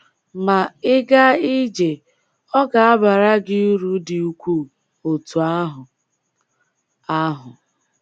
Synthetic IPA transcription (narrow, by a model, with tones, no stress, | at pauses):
ma˨ɪ˦ɡa˦i˦d͡ʒe˨ | ɔ˦ɡa˨a˦ba˨ɾa˦ɡɪ˦u˦ɾu˨˦dɪ˨u˦kʷu˦˨ | o˨tu˨a˦ɦʊ˨ | a˦ɦʊ˨